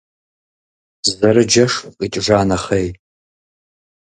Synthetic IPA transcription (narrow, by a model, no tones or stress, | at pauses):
zɐɾɨd͡ʒɐʂqʼit͡ʃʼʒaːnɐχej